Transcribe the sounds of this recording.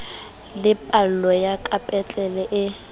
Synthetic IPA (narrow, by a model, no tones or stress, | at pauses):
lɪpʼal̩lɔjakʼapʼɛt͡ɬʼɛlɛʔɪ